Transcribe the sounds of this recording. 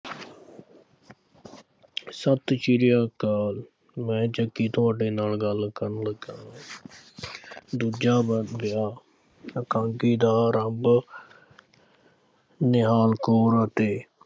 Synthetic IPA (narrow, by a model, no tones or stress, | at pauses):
sət̪t͡ʃiːɾɪjaːkaːl | mɛ̃ːd͡ʒəkːiːt̪ʰʊaːɖeːnaːlɡəlkəɾnləɡãː | d̪ud͡ʒaːbɪjaː | əkãːŋkiːd̪aːɾəmb | nɪɦaːlkoːɾət̪eː